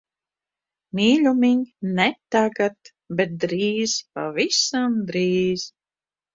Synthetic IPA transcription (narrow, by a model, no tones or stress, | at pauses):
mʲiːlʲumiɲnɛt̪aɡat̪ | bɛt̪̚d̪ɾiːz̥pa̰visamd̪ɾiːz̥